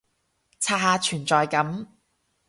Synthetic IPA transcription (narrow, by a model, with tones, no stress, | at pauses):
t͡sʰaː˧haː˨˧t͡ʃʰyː˨˩nt͡sɔː˨jkɐ˨˥m